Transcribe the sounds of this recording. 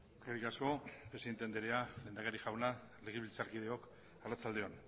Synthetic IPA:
ɡerikasko̞pɾe̞siðnt̪end̪eɾeale̞nd̪akaɾiʝawna | le̞ɣ̞iβilt͡saɾkiðe̞o̞k | arat͡sald̪eo̞n

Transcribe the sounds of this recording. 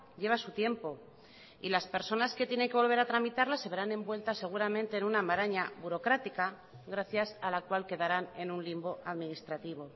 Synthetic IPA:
ʎe̞βasut̪je̞mpo̞ | ilaspe̞ɾso̞naske̞t̪je̞ne̞ŋke̞β̞o̞lβeɾat̪ɾamit̪aɾlase̞βe̞ɾanẽ̞mbwe̞lt̪ase̞ɣ̞uɾamẽ̞nt̪eːnunamaɾaɲaβuɾo̞kɾat̪ika | ɣɾaθjasalakwalke̞ðaɾane̞nunlimbo̞ʔaðminist̪ɾat̪iβ̞o̞

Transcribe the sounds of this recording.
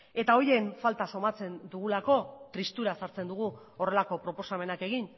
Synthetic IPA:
e̞t̪ao̞je̞ɱfalt̪aso̞mat͡se̞nd̪uɣ̞ulako̞t̪ɾist̪uɾasaɾt͡se̞nd̪uɣ̞u | o̞re̞lako̞pɾo̞po̞same̞nake̞ɣ̞in

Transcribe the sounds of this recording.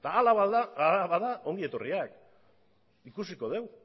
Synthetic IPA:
t̪aːlaβaaalaβaðao̞ŋɡie̞t̪o̞riak | ikusikoð̞e̞w

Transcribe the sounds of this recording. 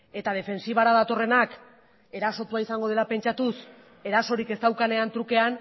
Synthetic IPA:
e̞t̪að̞e̞fe̞nsiβ̞aɾaðat̪o̞re̞nak | e̞ɾaso̞t̪uaisaŋɡo̞ð̞e̞lape̞nt͡ʃat̪us | e̞ɾaso̞ɾike̞st̪awkane̞ant̪ɾuke̞an

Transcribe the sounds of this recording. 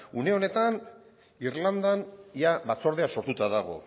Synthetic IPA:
une̞o̞ne̞t̪an | irland̪anjaβat͡so̞ɾð̞easo̞ɾt̪ut̪aðaɣ̞o̞̰

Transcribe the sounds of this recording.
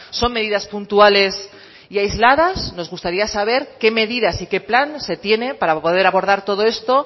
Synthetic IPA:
so̞mme̞ðiðaspunt̪uale̞s | iajzlað̞asno̞zɣust̪aɾiasaβ̞e̞ɾke̞me̞ðiðasike̞planse̞t̪je̞ne̞paɾapo̞ð̞e̞ɾaβo̞ɾðaɾt̪o̞ðo̞e̞st̪o̞

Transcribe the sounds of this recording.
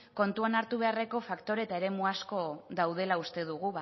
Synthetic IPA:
ko̞nt̪uanaɾt̪uβ̞e̞are̞ko̞fakt̪o̞ɾe̞t̪ae̞ɾe̞muasko̞ðawð̞e̞laust̪e̞ðuɣ̞uβ

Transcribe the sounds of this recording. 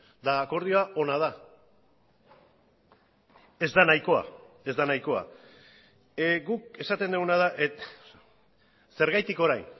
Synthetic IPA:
d̪aːko̞ɾð̞io̞aʔo̞nað̞a | e̞zd̪anajko̞a̰ | e̞zd̪anajko̞a̰ | ɡuk̚e̞sat̪e̞nd̪eunaðaʔe | se̞ɾɣajt̪iko̞ɾajn

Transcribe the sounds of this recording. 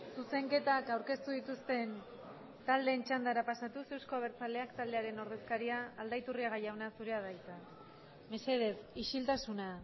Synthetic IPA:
suse̞ŋke̞t̪akawɾke̞st̪uðit̪ust̪e̞n | t̪ald̪e̞ːnt͡ʃand̪aɾapasat̪use̞wsko̞aβ̞e̞ɾt͡sale̞akt̪ald̪e̞aɾe̞no̞ɾð̞e̞skaɾiaːld̪ajt̪uriaɣajawnasuɾe̞aðajt͡s̪a | me̞se̞ð̞e̞siʃilt̪asuna

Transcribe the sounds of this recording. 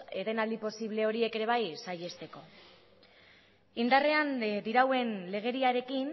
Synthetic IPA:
eðenald̪ipo̞siβ̞le̞o̞ɾie̞ke̞ɾe̞β̞ajsaje̞st̪e̞ko̞ | ind̪are̞and̪iɾawe̞nle̞ɣ̞e̞ɾiaɾe̞kin

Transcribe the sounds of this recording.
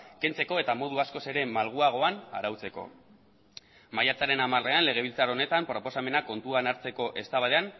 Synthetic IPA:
ke̞nt͡se̞ko̞e̞t̪amo̞ð̞uasko̞seɾe̞malɣ̞uaɣ̞o̞ana̰ɾawt͡se̞ko̞̰ | majat͡saɾe̞namare̞anle̞ɣ̞e̞β̞ilt͡saɾone̞t̪ampɾo̞po̞same̞nako̞nt̪uanaɾt͡se̞ko̞ʔe̞st̪aβaðe̞an

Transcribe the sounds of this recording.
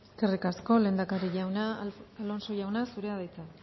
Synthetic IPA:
kerikasko̞le̞ːnd̪akaɾiʝawnaalo̞nso̞ʝawnasuɾeaðajt͡sa

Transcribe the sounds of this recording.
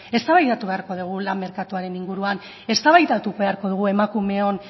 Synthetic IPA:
e̞st̪aβajðat̪uβe̞aɾko̞ðuɣ̞ulamːe̞ɾkat̪uaɾe̞niŋɡuɾuan | e̞st̪aβajt̪at̪uβe̞aɾko̞ð̞uɣ̞ue̞makume̞on

